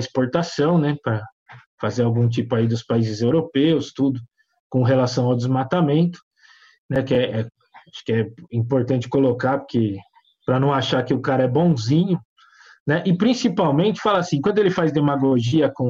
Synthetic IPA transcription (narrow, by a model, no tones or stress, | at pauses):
ispoɾt̪asɐ̃w̃nɛpɾɐ | fazeɾawɡũt͡ʃ̪ipʊaid̪ʊspaizɪzewɾopewst̪ud̪ʊ | kõɦelasɐ̃w̃awd̪ɪzmat̪amẽnt̪ʊ̥ | nɛkɪɛɛ | aʃʊ̥kɪɛĩpoɾt̪ɐ̃nt͡ʃɪ̥kolokapʊɾke | pɾɐnɐ̃w̃aʃakɪʊkaɾɐɛbõw̃zĩɲʊ | nɛʔɪpɾĩsipawmẽnt͡ʃɪ̥falɐasĩkwɐ̃nd̪ʊelɪfazd̪emaɡloʒiɐkõ